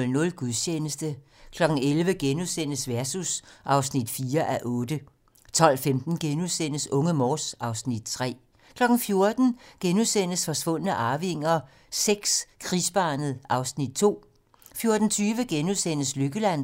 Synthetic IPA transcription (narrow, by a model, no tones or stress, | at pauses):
lnɔ̽lɡ̥uðˠɕʰeːnəsd̥ə | kʰlɒ̽ɡ̥n̩elʋəɡ̥enuðˠsen̰əsʋæɐsusʔɑ̈ʊsnid̥fiːɐʔæʔɔ̽ːd̥ə | t͡sʰɒ̽l̰femd̥n̩ɡ̥enuðˠsen̰əsɔ̽ŋəmɒːsɑ̈ʊsnid̥t͡sʰʁɛ̰ː | kʰlɒ̽ɡ̥n̩fjo̝ɐd̥n̩ɡ̥enuðˠsen̰əsfɒ̽sʋɔ̽n̰ənəʔɑ̈ʊʋeŋ̰ɐ | seɡ̥skʰʁisb̥ɑ̈ːnəð̞̩ˠʔɑ̈ʊsnid̥̚t͡sʰo̝̰ː | fjo̝ɐd̥n̩t͡sʰyːʋəɡ̥enuðˠsen̰əsløɡ̥əlæn̰